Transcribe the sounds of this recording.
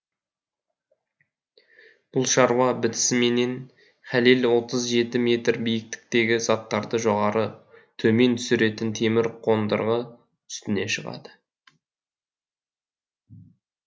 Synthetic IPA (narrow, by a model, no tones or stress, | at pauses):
b̥ʊlˠʃɑɾwɑbɪt̪ɪ̥sɪme̞ne̞n | χælelwo̞t̪əzʒe̞t̪ɪme̞t̪rbijɪk̚t̪ɪ̥k̚t̪e̞ɡʲɪzɑt̪ːɑɾd̪əʒo̞ʁɑɾʔət̪ʰɵme̞nt̪ʰʏsɪɾe̞t̪ɪnt̪ʰe̞mɪɾqʰo̞nd̪ə̰ɾʁə | tʰʏ̥st̪ɪne̞ʃəʁɑ̰d̪̥ə̥